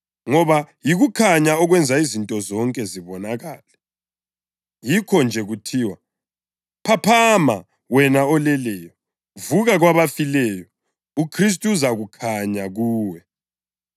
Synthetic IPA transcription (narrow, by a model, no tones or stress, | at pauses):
ŋɔβajiɣukʰaɲaɔɣwɛnd͡zʱaizintʼɔzɔŋkʼɛziβɔnaɣaːlɛ | jikʰɔnd͡ʒʱɛɣutʰiːwa | pʰapʰama | wɛnaɔlɛlɛjɔ | vuɣaɣwaβafilɛjɔ | ukʰris̬tʼuuzaɣukʰaɲaɣuːwɛ